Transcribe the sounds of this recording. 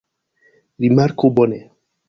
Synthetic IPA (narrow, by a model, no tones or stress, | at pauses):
ɾimaɾkobɔne